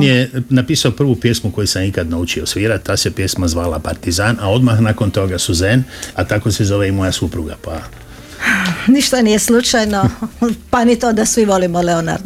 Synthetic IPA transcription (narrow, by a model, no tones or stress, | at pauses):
njenapiːsaopr̩ʋupje̞smuko̞jusamikad̪naut͡ʃiosʋiːɾat̪ːasepje̞smazʋaːlapaɾt̪izaːnao̞d̪maxnako̞nt̪o̞ɡasuzenat̪ako̞sezo̞ʋeimo̞jasupɾuɡapa | niʃt̪anijeslut͡ʃajnopanit̪od̪asʋiʋo̞limole̞ona̰ɾ